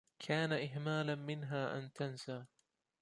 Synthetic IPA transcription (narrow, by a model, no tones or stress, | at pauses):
kʰaːnaʔɪɦmaːlamɪnɦaːʔa̰nt̪ansaː